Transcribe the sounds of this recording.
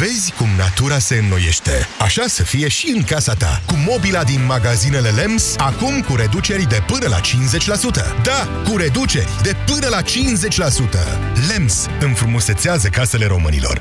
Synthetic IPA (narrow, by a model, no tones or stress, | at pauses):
ve̞zʲkumna̰t̪uɾase̞ɨnːoje̞ʃt̪e̞̰aʃasəfije̞ʃiɨŋkasat̪a̰kumo̞bilad̪inmaɡazine̞le̞le̞msakumkuɾe̞d̪ut͡ʃe̞ɾʲd̪e̞pɨnəla̰t͡ʃinze̞t͡ʃʲlasut̪ə̰d̪a | kuɾe̞d̪ut͡ʃe̞̰rʲd̪e̞pɨnəlat͡ʃinze̞t͡ʃʲlasut̪ə̰ | le̞ms | ɨnfɾumose̞t̪seazəkase̞le̞ɾo̞mɨnḭlo̞̰r